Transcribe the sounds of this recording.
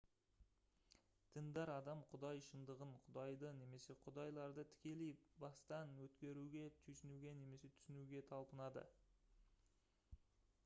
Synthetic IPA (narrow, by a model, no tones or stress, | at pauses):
t̪ʰɪnd̪ɑɾɑd̪ɑmqʰʊd̪ɑjʃənd̪əʁəɴqʰʊd̪ɑjd̪əne̞me̞se̞qʰʊd̪ɑjlˠɑɾd̪ət̪ʰɪ̥kʲe̞lejbɑst̪ɑnwɵt̪kʲe̞ɾuɡʲe̞t̪ʰyjsɪnuɡʲe̞ne̞me̞se̞t̪ʰʏ̥sɪnuɡʲe̞t̪ʰɑlˠpənɑd̪ə̰